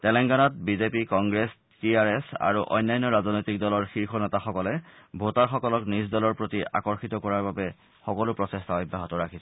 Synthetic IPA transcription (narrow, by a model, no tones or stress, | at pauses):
tɛlɛŋɡanat̚bizepikɔŋɡɹes | tiaɹɛsa̰ɹuʔɔ̰jnːajnːɔɹaznojtik̚dɔlɔɹxiɹxɔnɛtaxɔkɔlɛbʱotaɹxɔkɔlɔknisdɔlɔɹpɹotiʔa̰kɔɹxitɔkɔɹaɹbabɛ | xɔkɔlʊpɹɔsestaɔjbʱːaɦɔtɔɹakʰisɛ